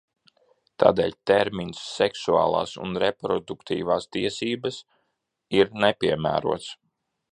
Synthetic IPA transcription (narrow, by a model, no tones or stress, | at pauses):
t̪a̰ːd̪ḛːʎʲt̪eɾminsːɛksuɑ̰ːlˠɑ̰ːsṵnɾepɾɔd̪ukt̪ʰḭːvaːst̪iɛsiːbas | iɾnepʲiɛmæ̰ːɾuɔt̪s